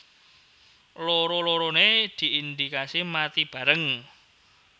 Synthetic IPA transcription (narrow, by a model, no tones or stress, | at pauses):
loɾoloɾoned̪̥i̤ind̪ikasimat̪ib̥ä̤ɾəŋ